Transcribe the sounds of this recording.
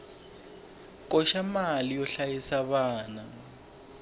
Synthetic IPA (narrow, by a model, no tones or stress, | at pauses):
kʼɔʃamalijɔɬajisaβaːna